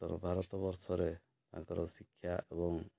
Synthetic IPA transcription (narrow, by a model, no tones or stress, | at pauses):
t̪ɔɾɔ̰bʱaɾɔt̪ɔbɔɾsɔɾe | t̪a̰ŋkɔɾɔsikʰːjaʔebɔŋ